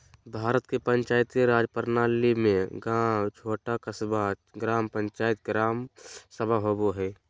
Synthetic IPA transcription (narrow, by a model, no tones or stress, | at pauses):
bʱaːɾət̪kepəɲt͡ʃaːjt̪iɾaːd͡ʒpəɾnaːlimẽɡãːt͡ʃʰoːʈakasbʱaɡɾaːmpə̃nt͡ʃaːɪt̪̚ɡɾaːmsəbʱaɦoboɦɛː